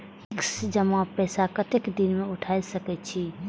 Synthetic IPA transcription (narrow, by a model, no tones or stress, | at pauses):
ksd͡ʒəmapɛːsakət̪ekd̪inmẽuʈʰaɪlsəkɛt̪̚t͡ʃʰi